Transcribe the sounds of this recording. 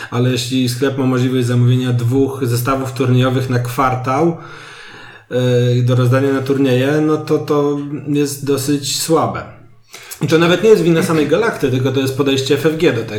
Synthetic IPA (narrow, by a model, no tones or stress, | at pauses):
alɛjɛɕlʲisklɛpmamɔʐlʲivɔʑʲzamuvʲeɲad̪vuxzɛs̬t̪avuft̪uɾɲejɔvɘxnakfaɾt̪aw | d̪ɔɾɔzd̪aɲanat̪uɾɲɛjɛnɔt̪ɔt̪ɔjɛst̪̚d̪ɔsɘt͡ɕswabɛ | it̪ɔnavɛt̪ɲejɛst̪vʲinːasamɛjɡalakt̪ʲɘt̪ɘlkɔt̪ɔjɛst̪̚pɔd̪ɛjɕt͡ɕɛfɛvɡʲjɛd̪ɔt̪ɛ